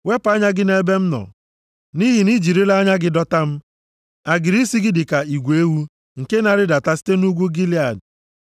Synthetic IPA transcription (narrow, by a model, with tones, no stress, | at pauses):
we˦pa˦ɲa˦ɡɪ˦ne˦be˦m̩˦nɔ̰˨ | ni˦ɦi˨ni˦d͡ʒi˨ɾi˦la˦ɲa˦ɡɪ˦dɔ˦ta˦m̩˦ | a˨ɡɪ˨ɾi˦si˦ɡɪ˦dɪ˨ka˨i˨ɡʷe˦wu˦ | ŋ̩˨ke˦na˨ɾɪ˦da˨ta˦si̥˦te˦nu˦ɡʷu˦ɡi˦li˦a˨d